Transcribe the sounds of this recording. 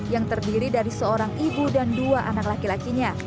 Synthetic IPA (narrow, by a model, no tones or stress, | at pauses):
jaŋt̪ərdiɾidaɾisəoɾaŋibudanduaʔanaklakilakiɲa